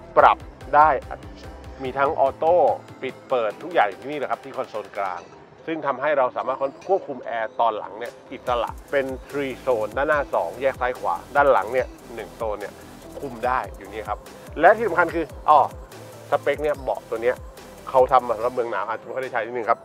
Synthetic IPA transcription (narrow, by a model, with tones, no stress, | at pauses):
pɾa˨˩p̚daː˥˩jʔmiː˧t̪ʰa˦˥ŋʔɔː˧t̪oː˥˩pi˨˩t̪̚pɤː˨˩t̪ʰːu˦˥k̚jaː˨˩ŋjuː˨˩t̪ʰiː˥˩niː˥˩əː˧˩ka˦p̚t̪ʰiː˥˩kʰɔ˧nsoː˧nkla̰ː˧ŋ | sɯ˥˩ŋt̪ʰa˧mɦa˥˩jɾa˧wsaː˩˦maː˥˩kʰkʰu˥˩əp̚kʰu˧mʔɛː˧t̪ɔː˧nla̰˩˦ŋni˥˩ɐʔi˨˩t̪̚sa˧la̰˨˩ʔpe˧nt̪ʰɾiː˧soː˧ndaː˥˩naː˥˩sɔ̰ː˩˦ŋjɛː˥˩k̚saː˦˥jkʰwa̰ː˩˦daː˥˩nla̰˩˦ŋni˥˩ɐ | nɯ˨˩ŋsoː˧nːi˥˩ɐ | kʰu˧mdaː˥˩jːuː˨˩niː˦˥˩kʰa˦˥p̚ | lɛ˦˥t̪ʰiː˥˩sa˨˦ŋkʰa˧nkʰɯː˧ʔɔː˧˩ | sa˧pe˦˥k̚ni˥˩ɐbɔ̰˨˩k̚t̪u˧əni˦˥ɐ | kʰa˦˥wt̪ʰa˧mːaː˧sa˩˦mɾa˨˩mɯ˧əŋna̰ː˩˦wʔa˨˩t̪̚kːda˥˩t͡ɕa˦˥jt̪ʰːnɯ˨˩kʰa˦˥p̚